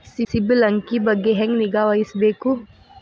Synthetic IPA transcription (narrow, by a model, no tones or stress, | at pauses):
sisiblɐŋkibɐɡːeɦẽŋɡniɡaːʋɐisbeːku